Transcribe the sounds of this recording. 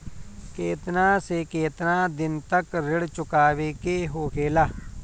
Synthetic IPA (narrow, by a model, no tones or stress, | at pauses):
keːt̪nãːsekeːt̪nãːd̪ɪnt̪əkɾɪɽt͡ʃʊkaːʋeːkeːɦoːkʰeːlaː